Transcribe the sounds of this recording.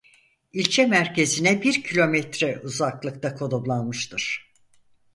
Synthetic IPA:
ilʲt͡ʃʰɛmæɾce̞zinɛbiɾcʰilʲo̞mɛt̪ɾɛʔuzaklˠɯkt̪ʰakʰo̞d̪ublˠanmɯʃt̪ʰɯɾ̥

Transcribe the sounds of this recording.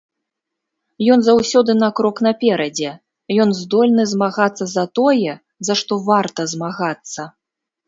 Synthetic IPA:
jɔnzawsʲɔd̪ɨnɐkɾɔknɐpʲɛɾɐd͡zʲɛ | jɔnzd̪ɔlʲnɨzmaɣat̪sːɐzɐt̪ɔjɛ | zɐʂt̪ɔvart̪ɐzmaɣat̪sːɐ

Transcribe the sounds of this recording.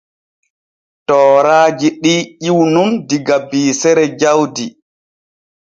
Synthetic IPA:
tɔːɾaːd͡ʒiɗiːʔiwnundiɡabiːsɛɾɛd͡ʒawdi

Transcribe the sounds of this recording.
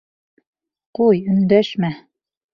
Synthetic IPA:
qujɵ̆nd̪æʃmæ

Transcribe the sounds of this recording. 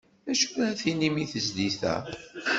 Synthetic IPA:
æʃu̥wæθinimiθəzliθæ̰

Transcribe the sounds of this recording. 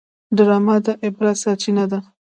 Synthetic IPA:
ɖəɾɑmad̪aʔɪbɾasɑt͡ʃinad̪a

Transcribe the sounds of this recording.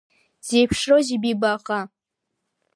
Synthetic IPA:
z̥ejpʰʂroʒɪbibaqʼa

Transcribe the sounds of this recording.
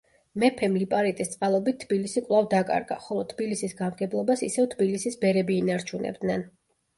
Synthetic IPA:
mɛpʰɛmlipʼaɾit̪ʼist̪sʼqʼalˠɔbit̪ʰːbilisikʼwlˠavd̪akʼa̰ɾɡa̰χɔlˠɔt̪ʰbilisisɡamɡɛblˠɔbasḭsɛvt̪ʰbilisisbɛɾɛbiːnaɾt͡ʃʰunɛ̰b̚d̪nɛn

